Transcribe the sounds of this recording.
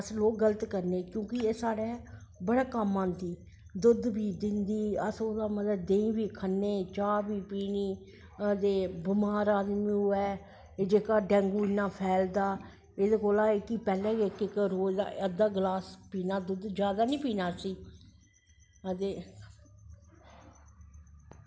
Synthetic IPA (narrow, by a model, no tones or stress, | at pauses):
əsloːk̚ɡələt̪kəɾneːkjõːkɪeːsaːɽɛː | bəɽaːkəmːãːnd̪iː | d̪ʊd̪biːd̪ɪnd̪iːəsoːd̪aːmət̪ləbd̪ẽːĩːbiːkʰənːeːt͡ʃaːbiːpiːniː | ət̪eːbɪmaːɾaːd̪mĩːɦʊɛː | d͡ʒeːkaːɖɛ̃ːŋɡuːɪnaːpʰɛːld̪aː | eːd̪eːkoːlaːɪkiːpɛːlɛ̃ːkekɪkɾoːd̪a̰ːʔəd̪aːɡlaːspiːnaːd̪ʊd̪d͡ʒjaːd̪aːnĩːpiːnaːsiː | ət̪eː